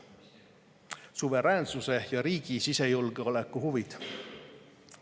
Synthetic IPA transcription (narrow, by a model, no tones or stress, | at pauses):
suve̞ɾæːnsuse̞jɑɾiːɡ̥isise̞julɡ̥eo̞le̞kːˑuhuvid̪̥